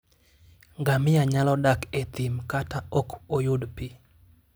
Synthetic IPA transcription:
ŋɡamɪjaɲalɔdaket̪ɪmkataɔkojʊdpi

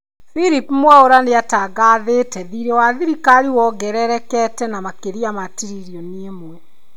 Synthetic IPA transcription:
fiɾipmwaoɾaneataɡaðetɛðiɾɛwaðiɾikaɾiwɔɡɛɾɛɾɛkɛtɛnamakeɾiamatiɾiɾiɔniemwɛ

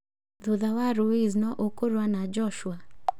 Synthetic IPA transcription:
ðuðawaɾuiznɔʔokoɾwanad͡ʒɔʃwa

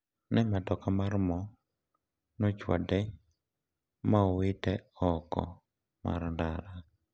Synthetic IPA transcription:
nɛmadɔkamarmɔ | nɔt͡ʃwa̰dɛ | maowɪtɛɔkɔ̰ | ma̰ɾndaɾa

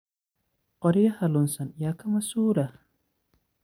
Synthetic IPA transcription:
qɔɾijahɐlunsɐnjakamɐsuːɾa

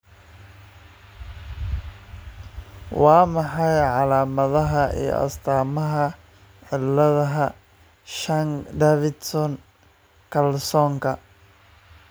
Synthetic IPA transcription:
wɑːmɑħɑjʕɑlaːmɐðɐɦɐʔḭjɔ̰ʔɐ̰st̪ʰaːmɐɦɐ | ʕɪlːɐðɐɦɐ | ʃɐŋd̪ɛfɪd̪sɔn | kʰɐlsɔːŋkʰɐ

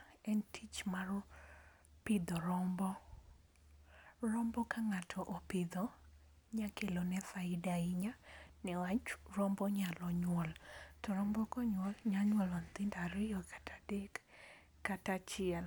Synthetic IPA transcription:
ɛntʰit͡ʃmar | pɪd̪ɔɾɔmbɔ | rɔmbɔkaŋatʰɔʔopɪd̪ɔ | ɲakelonɛfaɪdaɪɲanɪwat͡ʃrɔmbɔɲalɔɲwɔltɔɾɔmbɔkɔɲwɔlɲaɲwɔlɔnt̪ɪndaɾɪjɔkʰḁtʰadɛkː | atat͡ʃɪɛl

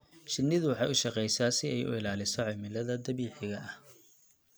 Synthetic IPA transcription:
ʃɪnːɪðʊwɑħɑjʊʃɑqɛjsaːsɪɛjʊ̰ɪlaːlɪsɔʕɔmɪlɐðɐd̪ɐβiːħɪɣɐʔɐh

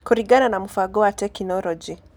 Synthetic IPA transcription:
kuɾiɡananamufaɡɔwatɛknɔlɔd͡ʒi

